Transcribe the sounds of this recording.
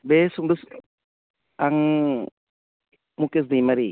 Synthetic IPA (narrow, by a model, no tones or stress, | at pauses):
besuŋdus | aŋ | mukes̬d̪ijmaɾi